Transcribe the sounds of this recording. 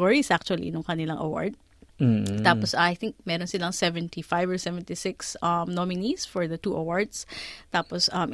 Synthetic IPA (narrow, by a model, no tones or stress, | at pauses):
ɔɹisʔak̚t͡ʃʊɐlḭnʊŋkɐnɪlaŋʔɐ̰wa̰ɹd̪̚ | t̪aːpɔsajθɪŋk̚mɛɾɔnsɪlɐŋsɛvɛnt̪ifajvɔɹsɛvɛnt̪isɪksʔɐmnomɪnisfɔɹd̪ɐt̪uːʔɐwaɹd̪st̪aːpɔsʔɐm